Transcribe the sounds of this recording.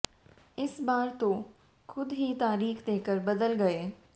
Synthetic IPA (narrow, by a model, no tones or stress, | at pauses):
ɪsbaːɾt̪o | xʊd̪ɦit̪aːɾiːxd̪eːkəɾbɐd̪əlɡɐeː